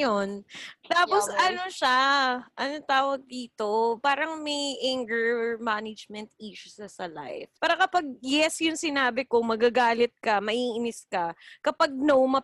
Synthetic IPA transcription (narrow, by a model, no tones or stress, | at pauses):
jont̪aːposɐnoʃaʔɐnot̪aːwɐɡ̚d̪iːt̪o̞paːɾɐŋmɐjʔaŋɡəɹmaːnɪd͡ʒmɛnt̪̚iːʃʊʃɐsɐla̰jfpaːɾɐkɐpɐɡ̚jɛsjʊŋsɪnaːbɪkomɐɡaɡaːlɪt̪̚kɐmɐʔiːʔɪnɪskɐkɐpɐɡ̚nowmɐ